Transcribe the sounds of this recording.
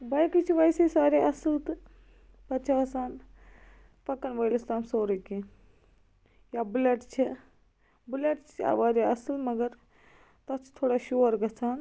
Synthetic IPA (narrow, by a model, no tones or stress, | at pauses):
bɐjkit͡ʃʰiʋajsesaːɾeʔɐsɨlt̪ɨ | pɐt͡ʃʰaɐsaːn | pɐkːɐnʋoːjlɐst̪aːmsoːɾəki | jabuleʈt͡ʃʰi | buleʈt͡ʃʰt͡ʃʰa̰ʋaːɾeɐsɨlmɐɡɐɾ | t̪ɐt͡ʃʰt̪ʰoːɽaːʃuʋɐɾɡɐt͡sʰaːn